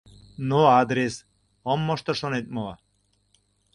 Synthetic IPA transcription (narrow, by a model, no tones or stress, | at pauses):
noɑd̪ɾes | omːŏʃt̪ŏʃonet̪̚məlɑ